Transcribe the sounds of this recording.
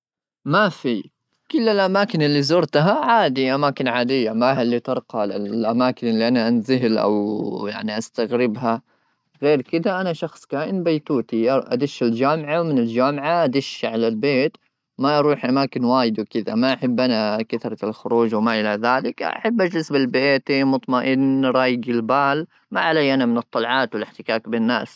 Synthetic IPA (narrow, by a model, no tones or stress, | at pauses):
mafi | kʊlːɪlʔamaːkɪnɪlːizʊɾˤt̪aɦaʕaːd̪iʔamaːkɪnʕaːd̪ɪjːamaalːit̪ɑɾˤqɑlɪʔamaːkɪnʔɪlːiʔanaʔanzɪɦɪlʔa̰wja̰ʕniʔast̪aɣɾɪbɦa | ɣeːɾkɪd̪aʔanaʃɑxsˤkaːʔɪnbajt̪uːt̪iʔʔa̰d̪ɪʃːɪld͡ʒaːmʕawmɪnɪld͡ʒaːmʕaʔad̪ɪʃʕalalbeːt̪ | maʔɑɾˤuːħʔamaːkɪnwaːjɪd̪wɪkɪd̪a̰maʔaħabːʔanakaθɾˤɑlxʊɾuːʒwɪmaʔɪlaðaːlɪkʔa̰ħabːʔad͡ʒlɪsbɪlbeːt̪imʊt̪ˤmaʔɪnɾˤɑːjɪɡɪlbaːl | maʕalajːʔanamɪnɨt̪ˤːɑlʕɑːt̪wɪlɪħt̪ɪkaːkbɪnːaːs